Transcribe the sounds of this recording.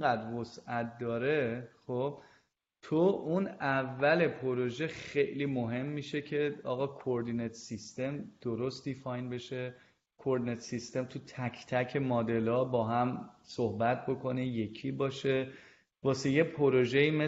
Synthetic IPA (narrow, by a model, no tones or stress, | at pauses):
ɡæd̪ɾvosæt̪̚ʰd̪ɒːɾe̞χob̥̚ | t̪ʰoʔunævːæle̞pʰoɾoʒe̞xe̞jliːmoɦe̞mːiːʃe̞cʰe̞ɒːɣɒːkʰooɾd̪inet̪ʰsist̪e̞md̪̥oɾo̞st̪̚d̪ifɒːjnbe̞ʃe | kʰoɾd̪inet̪sist̪e̞mt̪ʰut̪ʰæcʰt̪ʰæcʰe̞mɒːd̪e̞lɒːbɒːɦæmsohbæt̪̚ʰbo̞kʰo̞neje̞cʰibɒːʃe̞ | bɒːseje̞pʰoɾoʒeiːme